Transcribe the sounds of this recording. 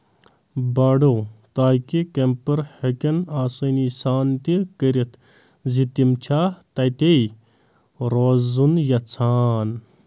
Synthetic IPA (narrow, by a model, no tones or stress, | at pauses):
baɖot̪aːjkikempɐɾhekʲɐnaːsɐnisaːnt̪ikəɾet̪ | zit̪imt͡ʃʰaːt̪ɐjt̪ej | ɾoːzunjɐt͡sʰaːn